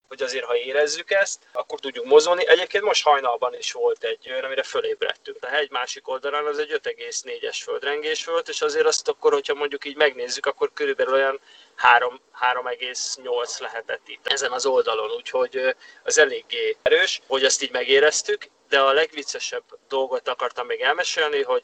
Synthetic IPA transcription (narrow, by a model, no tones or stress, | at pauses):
ho̞ɟɒzeːrɦɒeːɾɛzːykɛst̪ɒkːo̞rt̪uɟːukmo̞zolniʔɛɟeːp̚keːnt̪mo̞ʃt̪hɒjnɒlbɒniʃʋo̞lt̪ɛɟːøjɒnɒmiɾɛføleːbrɛ̰t̪ːyŋkt̪ɛɦɛɟmaːʃiko̞ld̪ɒlaːnɒzɛɟø̞t̪ɛɡeːsneːɟɛʃfø̞ld̪rɛŋɡeːʃfolt̪eːʃɒzeːɾɒst̪ɒkːo̞rho̞cʰhɒmo̞ɲɟukiːɟmɛɡneːzːykɒkːo̞rkøɾybɛlylo̞jɒn | haːɾo̞mhaːɾo̞mɛɡeːsɲo̞lt̪slɛɦɛt̪ɛt̪ːit̪ːɛzɛnɒzo̞ld̪ɒlo̞nuːcho̞ɟɒzɛleːɡːeːɾøːʃho̞ɟɒst̪iːɟmɛɡeːɾɛst̪yk | d̪ɛɒlɛɡʋit̪sːɛʃɛbd̪o̞lɡo̞t̪ɒkɒrt̪ɒmːeːɡɛlmɛʃeːlniɦo̞ɟ